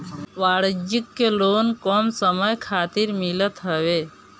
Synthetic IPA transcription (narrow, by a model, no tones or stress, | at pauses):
ʋaːɽəd͡ʒikːeloːnkɔmsəməjkʰaːt̪iɾmilət̪ɦəʋe